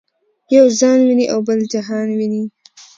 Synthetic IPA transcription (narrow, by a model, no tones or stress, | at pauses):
jawzɑnwiniʔawbəld͡ʒaɦɑnwini